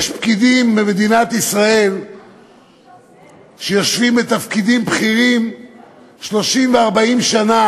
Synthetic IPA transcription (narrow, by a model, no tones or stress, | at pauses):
ʃpkid̪imːemed̪inat̪isʁae̞l | ʃejoʃvimbet̪afkid̪imbχiʁim | ʃlo̞ʃimveaʁbaimʃana